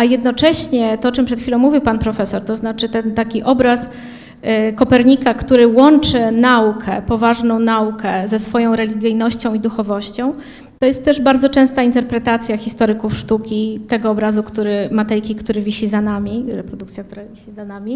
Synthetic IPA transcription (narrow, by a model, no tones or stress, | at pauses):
ajɛd̪nɔt͡ʂɛɕɲɛt̪ɔɔt͡ʂɨmpʂɛt̪xfʲilɔ̃w̃muvʲiwpanpɾɔfɛsɔɾt̪ɔznat͡ʂɘt̪ɛnt̪akʲiʔɔbɾas | kɔpɛɾɲikakt̪uɾɘwɔnt͡ʂɘnaukʰɛpɔvaʐnɔ̃w̃naukʰɛzɛsfɔjɔ̃w̃ɾɛlʲiɡʲijnɔɕt͡ɕɔ̃w̃id̪uxɔvɔɕt͡ɕɔ̃w̃ | t̪ɔjɛst̪ːɛʐbaɾd̪zɔt͡ʂɛ̃w̃st̪aint̪ɛɾpɾɛt̪at̪sʲjaxʲist̪ɔɾɘkufʂt̪ukʲit̪ɛɡɔːbɾazukt̪uɾɘmat̪ɛjkʲikt̪uɾɘvʲiɕizanamʲiɾɛpɾɔd̪ukt̪sʲjakt̪uɾavʲiɕizanamʲi